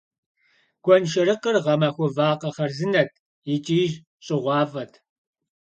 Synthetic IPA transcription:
ɡ̥ʷɔnʃɐɾɨqərʁɐmɐxʷʊvaːqɐχɐrzɨnɐt̚ʰ | ɪt͡ʃʼiːʒ | ɕʼɪʁʷɑːvɐtʰ

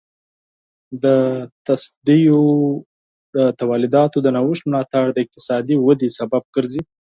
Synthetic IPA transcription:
d̪ət̪asd̪ijo | d̪ət̪awalɪd̪ɑt̪od̪ənawɪʃt̪mlɑt̪aɽd̪əɪq̚t̪ɪ̥sɑd̪iwad̪esabab̚ɡəɾzi

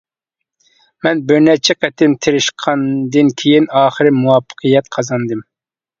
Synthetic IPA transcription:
mɛnbɪɾnɛt͡ʃʰɛqʰɛt̪ʰɪmt̪ʰɪɾɪʃqʰɑnd̪ɨnkʲʰejinɑːχəɾɨmuwɑpʰːə̥qʰəjɛt̪̚qʰɑzɑnd̪ɨm

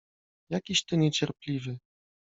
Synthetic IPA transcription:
jakʲiɕt̪ɘɲɛt͡ɕɛɾplʲivɘ

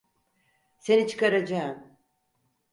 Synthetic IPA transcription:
se̞nit͡ʃʰɯ̥kaɾad͡ʒaɯm

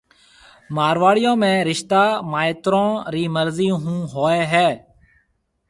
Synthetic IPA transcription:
maːɾʋaːɽɪjõːmẽːɾɪʃt̪aːmaːɪt̪ɾõːɾiːməɾziːɦũːɦoːeːɦɛː

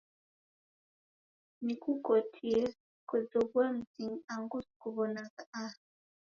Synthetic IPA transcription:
nikukɔtʰiɾ | kɔzɔβwam̩ziŋaŋɡuskuβɔnakaʔa

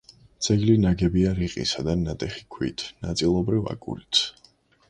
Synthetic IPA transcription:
t̪sʰʼɛɡlinaɡɛbiaɾiqʼḭsad̪anat̪ʼɛχi̥kʰwḭt̪ʰnat̪sʼilˠɔbɾiva̰kʼṵlit̪s

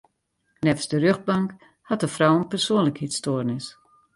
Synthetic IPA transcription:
nɛfsdərøxd̚bɑŋk | hɑt̚dəfrɔwənpərsoənləkhitstoːrnɪs

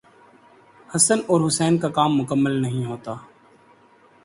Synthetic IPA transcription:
həsənoːɾɦʊsɛːnkaːkaːmːʊkəmːəlnəɦĩːɦoːt̪aː

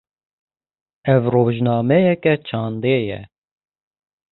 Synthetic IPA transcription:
ɛvroːʒnɑːmɛjɛkɛt͡ʃʰɑːnd̪eːjɛ̰

